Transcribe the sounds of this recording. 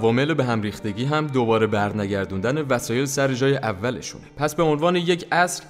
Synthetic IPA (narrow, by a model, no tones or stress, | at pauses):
vɒːme̞lebe̞ɦæmɾiːxt̪e̞ɟiːɦæmd̪obɒːɾe̞bæɾnæɟæɾd̪und̪æne̞væsɒːje̞lsæɾed͡ʒɒːjeʔævːæle̞̰ʃṵːnepʰæsbe̞o̞nvɒːneje̞cʰæsɾ